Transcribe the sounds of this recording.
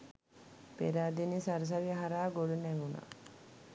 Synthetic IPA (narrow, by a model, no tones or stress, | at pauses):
pḛɾaːd̪inisɐɾɐs̬ɐɾiɐɦɐɾaːɡoɽuneɡuna̰